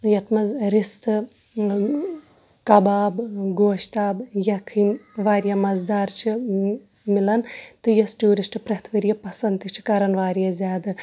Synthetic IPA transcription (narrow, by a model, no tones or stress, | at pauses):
jɐt̪ʰmɐzɾist̪ɨ | kɐbaːbɡoːʃt̪aːbjɐkʰinʋaːɾjamɐzd̪aːɾt͡ʃʰi | milɐnt̪ɨjɐsʈuːɾisʈɨpɾɐt̪ʰʋɐɾjɐpɐsɐnt̪it͡ʃʰi̥kɐɾɐnʋaːɾijɐzʲjaːd̪ɨ